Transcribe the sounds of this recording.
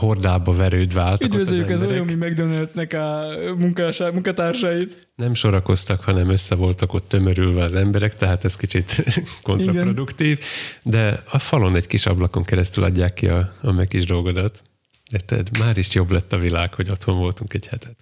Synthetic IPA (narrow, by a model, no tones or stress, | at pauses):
ho̞rd̪aːbɒvɛɾøːd̪vɛaːlt̪ydk̪vezøjːykɛzojomimɛɡd̪ønølt̪nɛkɒmuŋkaʃmuŋkɒt̪aːrʃɒjit̪ | nɛmʃo̞ɾɒko̞st̪ɒkhɒnɛmøsːɛvo̞lt̪ɒko̞t̪ːø̞møɾylvɛɒzɛmbɛɾɛkt̪ɛɦaːt̪ɛskit͡ʃit̪ko̞nirɒɡnrod̪ukt̪iːvd̪ɛɒfɒlo̞nɛɟkiʃɒblɒko̞ŋkɛɾɛst̪ylʔɒ̰ɟːaːkːiɒɒmɛkiʒd̪o̞lɡo̞d̪ɒt̪ | ert̪ɛ̰d̪maːɾiʃjo̞blɛt̪ːɒvilaːkho̞ɟo̞t̪ho̞ɱvo̞lt̪uŋkɛɟhɛt̪ɛt̪